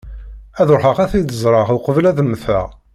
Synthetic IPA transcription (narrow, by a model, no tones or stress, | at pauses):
æðʊɾħəʁæθid̪əzˤɾˤɑʁuqəvlæðəmːθæ̰